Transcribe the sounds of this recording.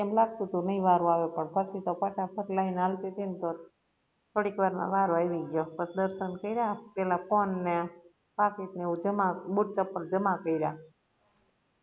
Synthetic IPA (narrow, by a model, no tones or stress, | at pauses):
kemlaɡt̪ũt̪unəĩʋaɾũaʋepəɳpʰəsit̪opaʈapʰəɾlainalt̪et̪ent̪o | t̪ʰoɽikʋaɾnã̰ʋaɾoajʋiɡjopəsd̪əɾʃənkəiɾaapelaponːe | pakit̪neud͡ʒəmabuʈ̚t͡ʃəpːəɾd͡ʒəmakəiɾa